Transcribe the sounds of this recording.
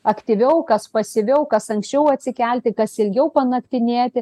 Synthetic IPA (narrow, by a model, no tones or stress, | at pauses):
ɐkt̪ʲiʋʲɛʊkɐspɐsʲɪʋʲɛʊkɐsɐŋksʲt͡ʃʲɛʊɐt̪ʲsʲɪkʲɛlʲt̪ʲɪkɐsɪlʲɡʲɛʊpɐnɐkt̪ʲɪnʲeːt̪ʲɪ